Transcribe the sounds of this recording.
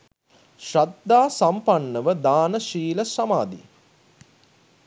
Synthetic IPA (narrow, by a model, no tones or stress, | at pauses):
ʃɾad̪aːsampanːəʋəd̪aːnəʃiːləsamaːd̪ḭ